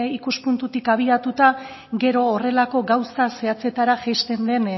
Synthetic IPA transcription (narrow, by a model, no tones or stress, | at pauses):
ikuspunt̪ut̪ikaβ̞iat̪ut̪a | ɡe̞ɾo̞ːre̞lako̞ɡawsase̞at͡se̞t̪aɾaʝajst̪e̞nd̪e̞n